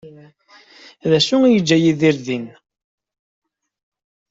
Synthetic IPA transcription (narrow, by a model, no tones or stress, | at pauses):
ðæʃʊŋjəd͡ʒːæjiðiɾðin